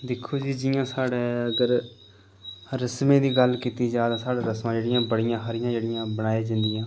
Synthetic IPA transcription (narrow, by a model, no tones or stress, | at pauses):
d̪ɪkʰːoːd͡ʒiːd͡ʒɪjãːsaːɽeːəɡəɾ | ɾəsmẽːd̪iːɡəlkiːt̪iːd͡ʒaːd̪aːsaːɽaːɾəsmãːd͡ʒeːɽɪjãːbəɽɪjãːɦəɾɪjãːd͡ʒeːɽɪjãːbənaːeːd͡ʒɪ̃nd̪ɪjãː